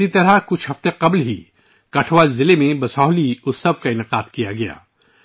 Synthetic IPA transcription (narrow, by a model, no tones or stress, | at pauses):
it̪ɐɾakʊt͡ʃʰɦɐft̪eqɐblɦi | kɐʈʰʋazɪlemẽbɐsaːliʊsɐbkaɪnɪqaːd̪kijaɡɐja̰ː